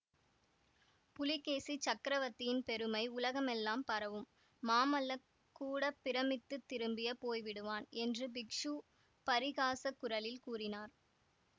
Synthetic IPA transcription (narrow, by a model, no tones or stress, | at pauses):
pʊlɪkːeːsit͡ʃɐkɾɐʋɐt̪ːɪjɪnpɛɾɯmɐɪʊlɐɣɐmɛlːaːmpɐɾɐʋɯmː | aːmɐlɐ | kːuːɽɐpːɪɾɐmɪt̪ːɯt̪ːɪɾɯmbɪjɐpoːjʋɪɽɯʋaːnɛndrɯbɪkʂu | pɐɾɪɣaːsɐkːʊɾɐlɪlkuːrɪnaːɾ